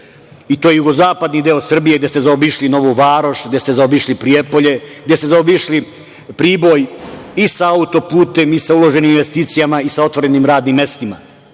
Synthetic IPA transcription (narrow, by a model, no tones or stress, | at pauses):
it̪oːjejuɡo̞zaːpad̪nid̪eosr̩bije̞ɡd̪jest̪ezaobiʃlino̞ʋoʋaːɾo̞ʃɡd̪est̪e̞zaobiʃlipɾiepo̞ʎe̞ɡ̚d̪jest̪ezaobiʃli | pɾiːbo̞jisaaut̪o̞puːt̪e̞misaulo̞ʒe̞niːminʋe̞st̪iːt̪sijamaisao̞t̪ʋo̞ɾe̞nimɾaːd̪nimːe̞st̪ima̰